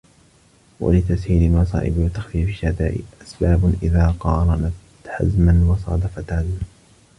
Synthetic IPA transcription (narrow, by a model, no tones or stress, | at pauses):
wa̰lɪt̪ashiːlɪlmɑsˤɑ̰ːʔɪ̰bɪwat̪ːaxfiːfɪʃːad̪a̰ːʔɪ̰ʔasbaːbʔɪðaːqɑːɾˤɑnat̪ | ħa̰zmanwɑsˤɑ̰ːd̪afat̪aːd̪